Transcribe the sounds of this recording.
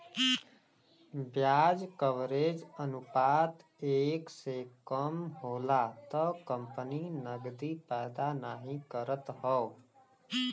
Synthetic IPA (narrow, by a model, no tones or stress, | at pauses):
bjaːd͡ʒkəʋɾed͡ʒənupaːt̪ | eːksekəmɦoːlat̪ɔkəmpəninəɡd̪ipɛːd̪anaːɦĩkəɾət̪ɦɔ